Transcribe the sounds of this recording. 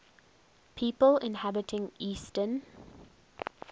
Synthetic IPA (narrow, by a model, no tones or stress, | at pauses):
pʰiːpəlɪ̃nhabɪtʰɪ̃ŋiːstən